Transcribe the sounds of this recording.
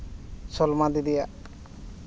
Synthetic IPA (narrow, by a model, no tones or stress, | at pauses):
sɔlmad̪id̪ija